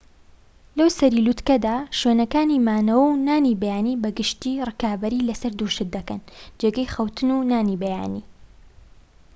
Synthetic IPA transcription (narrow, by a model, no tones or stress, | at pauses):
lɐwsɐɾiːlut̪kɐd̪aːʃɥeːnɐkaːnimaːnɐwɐwnaːnibɐjaːnibɐɡɨʃt̪iːrɨkaːbɐɾiːlɐsɐɾd̪uːʃɨt̪̚d̪ɐkɐnd͡ʒeːɡɐjxɐwt̪ʰɨnunaːnibɐja̰ːniː